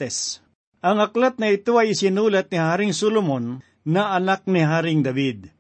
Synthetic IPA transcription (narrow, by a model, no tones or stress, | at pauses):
ɛs | ʔɐŋɐklat̪̚nɐɪt̪oɐjɪsɪnuːlɐt̪̚nɪhaːɾɪŋsolomonː | ɐʔɐnak̚nɪɦaːɾɪŋd̪ɐbid̪̚